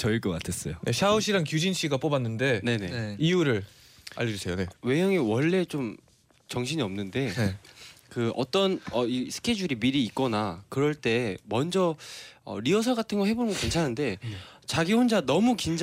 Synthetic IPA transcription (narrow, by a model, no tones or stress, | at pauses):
t͡ɕʌiɭk͈ʌk͈atʰe̞s͈ʌjoeɕʰauɕʰiɾankjud͡ʑinɕʰiɡap͈obanːɯnde̞ne̞ne̞iuɾɯɾ | a̰ʎjʌd͡ʑusʰe̞jone̞we̞jʌŋiwʌɭːe̞t͡ɕom | t͡ɕʌŋɕʰiɲiʌmnɯnde̞kɯʌ̰t͈ʌnʌisʰɯ̥kʰe̞d͡ʑuɾimiɾiːk͈ʌnakɯɾʌɭt͈e̞mʌnd͡ʑʌʌ̰ɾiʌsʰʌɡatʰɯnɡʌhɦe̞bonɯŋɡʌkent͡ɕʰanaɯnde̞t͡ɕaɡiɦond͡ʑanʌmukind͡ʑ